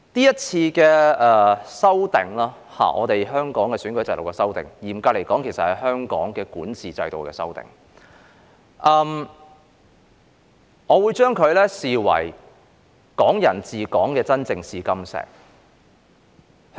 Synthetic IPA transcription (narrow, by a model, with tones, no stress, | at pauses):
t̪iː˥jɐ˥t̚t͡sʰiː˧kɛː˧ɛ˨˧sɐ˥wt̪ɪ˨˩ŋlaː˥ | ha̰ː˨˩ʔɔ̰ː˨˧t̪e˨jɦœː˥ŋkɔː˨˥ŋkɛː˧syː˨˥nkɵ˨˥ɥt͡sɐ˧jlo˨˩kɛ˧sɐ˥wt̪ɪ̰˨˩ŋjiː˨˩mkaː˧le˨˩jkɔː˨˥ŋkʰe˨˩sɐ˨thɐ˨jɦœː˥ŋkɔ̰ː˨˥ŋkɛː˧kuː˨˥nt͡sʰiː˨t͡sɐ̰˧jt̪o˨wkɛː˧sɐ̰˥wt̪ɪ̰˨ŋ | ʔɐː˧m | ŋɔː˨˧wuː˨˧jt͡ʃœː˥ŋkʰɵ˨˧ɥlɛː˥siː˨wɐ̰˨˩j | kɔː˨˥ŋjɐ˨˩nt͡siː˨˩kɔː˨˥ŋkɛː˧t͡sɐ˥nt͡sɪ˧ŋsiː˨˧kɐ˥msɛ̰ː˨˩k̚